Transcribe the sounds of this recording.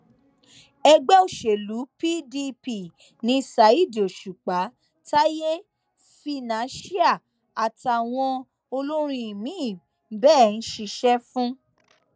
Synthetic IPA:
ɛ˧ɡ͡bɛ˦o˦˨ʃe˨lu˨˦pi˦di˧pi˦˨ | nĩ˨˦˧sa˨˦i˦˨di˨o˨ʃu˨k͡pa˨˦ | ta˦je˦ | fi˧nã˨˦ʃi˦a˦˨ | a˨ta˨w̃ɔ̃˧ | o˧lo˦ɾ̃ĩ˦˧i˨mĩ˨˦˨ | bɛː˦˨n̩˦ʃi˧ʃɛ˦fũ˦

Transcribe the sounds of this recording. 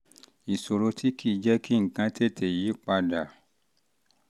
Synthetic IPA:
i˨so˨ɾo˧tʰi˦kʰi˦˨d͡ʒɛ˦ki˦ŋ̩˨kã˧˦tʰe˦˨tʰe˨ji˨˦k͡pa˧da˨

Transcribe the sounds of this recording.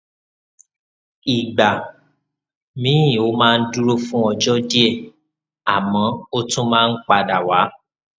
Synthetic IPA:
i˨ɡ͡ba˨ | mĩ˨˦ĩ˨o˦mãː˦˧n̩˦du˦ɾo˦fũ˦ɔ˧d͡ʒɔ˦di˦e˦˧˨ | a˨mɔ̃˨˦o˦tũ˦mãː˦˧n̩˦k͡pa˧da˨wa˨˦

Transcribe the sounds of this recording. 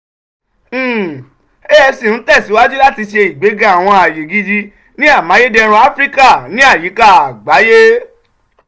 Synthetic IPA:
e˦ɛ˧si˦˨n̩˨˦tɛ˦˨si˨˦wa˦d͡ʒu˦la˦ti˧ʃe˧i˨ɡ͡be˨˦ɡã˦a˦˨w̃ɔ̃˧a˨je˨ɡi˧d͡ʒi˧ | nĩ˦a˦˨mã˨˦je˦dɛ˧ɾ̃ũ˧a˦fɾi˦ka˦˨nĩ˨˦a˦˨ji˨˦ka˦˨a˨ɡ͡ba˨˦je˦

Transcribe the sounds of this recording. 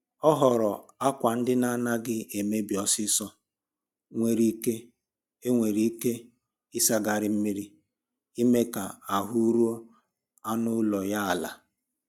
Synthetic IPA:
ɔ˦ɦɔ˨ɾɔ˨a˦kʷa˨n̩˦dɪ˦na˦na˦ɡɪ˦e˨me˦bi˨ɔ˨sɪ˦sɔ˦ | ŋʷe˨ɾi˦ke˦ | e˦ŋʷe˨ɾi˦i˦ke˦ | ɪ˦sa˦ɡa˨ɾɪ˦m̩˦mi˦ɾi˦ | i˦me˦ka˨a˨ɦu˦ɾu˦o˦ | a˦nʊ˦lɔ˨ja˦a˨la̰˨

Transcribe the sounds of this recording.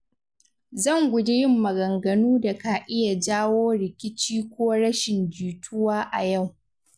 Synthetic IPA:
zɐ˦˨ŋɡʷʊ˨d͡ʒe˦jɪ˦mːɐ˨ɡɐ˨ŋɡɐ˨nuː˦da˨ka˨ʔɪ˦ja˨d͡ʒaː˦woː˦ɽɪ˨kʲɪ˦t͡ʃiː˦kʷoː˦ɽɐ˦ʃɪ˨nd͡ʒuː˨tʰʊ˦waː˦ʔa˨ja˦˨w

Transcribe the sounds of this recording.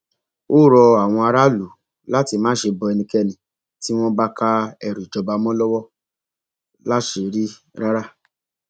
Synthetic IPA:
o˦˨ɾɔ˧a˨w̃ɔ̃˧a˧ɾa˦lu˨ | la˦ti˧mãː˦ʃe˧bɔ˧ɛ˧nĩ˧kɛ˧nĩ˨ | ti˦w̃ɔ̃˦ba˦ka˦ɛ˦˨ɾu˨i˨d͡ʒɔ˧ba˧mɔ̃˦lɔ˦wɔ˦ | la˦ʃe˧˨ɾi˦ | ɾa˦ɾa˦˨

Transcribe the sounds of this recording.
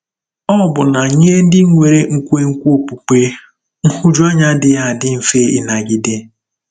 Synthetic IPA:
ɔ˦bʊ˨na˨ɲe˦e˦n̩˦dɪ˦ŋʷe˨ɾe˦ŋ̩˦kʷe˦ŋ̩˦kʷu˦o˦pu˨k͡pe˦ | ŋ̩˦hʊ˦d͡ʒɔ˦ɲa˦dɪ˦ja˦˨dɪ˦m̩˨fe˦ɪ˦na˨ɡi˦de˦

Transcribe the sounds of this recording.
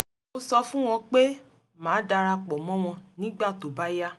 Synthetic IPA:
o˧sɔ˧fũ˦w̃ɔ̃˧k͡pe˦ | mãː˨˦da˧ɾa˧k͡pɔ˨mɔ̃˦w̃ɔ̃˧nĩ˦ɡ͡ba˦˨to˨ba˦ja˦

